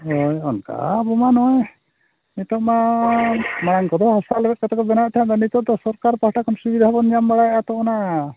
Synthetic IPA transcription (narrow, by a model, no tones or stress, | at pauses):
ɔjɔnka̰bɔmanɔj | nit̪ɔʔma | maɽ̃aŋkɔd̪ɔhasalbɛt̪̚kɔt̪ɛkɔbɛnat̪ʰajãd̪ɔnit̪ɔʔd̪ɔsɔɾkaɾpahʈʰakɔmsubid̪ʱabɔnɲambaɽajʔat̪ɔɔna